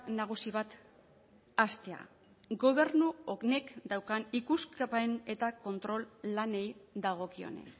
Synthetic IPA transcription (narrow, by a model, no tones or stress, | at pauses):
naɣ̞usiβat̪ | ast̪e̞a̰ | ɡo̞βe̞ɾnuokne̞kd̪awkanikuskapene̞t̪ako̞nt̪ɾo̞lːane̞jd̪aɣ̞o̞kio̞̰ne̞̰s